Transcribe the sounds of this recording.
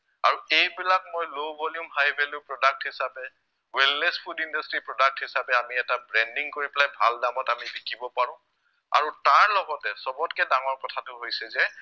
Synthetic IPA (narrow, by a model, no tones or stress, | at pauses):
a̰ɹuejbilak̚mojlowbɔlijʊ̃mɦajbelʊpɹɔdak̚thisapɛ | wɛlnespʰudindastɹipɹɔdak̚thisapɛamiɛtabɹɛndiŋkoɹipɛlajbʱaldamɔtamibikibɔpaɹʊ̃ | a̰ɹutaɹlɔɡɔtɛsɔbɔtkɛdaŋɔɹkɔtʰatʊɦojsɛzɛ